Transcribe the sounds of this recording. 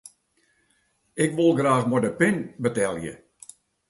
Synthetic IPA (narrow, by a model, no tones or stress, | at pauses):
ɪkʋolˠɡraːxmɔdəpɪnbətɛlˠjə̰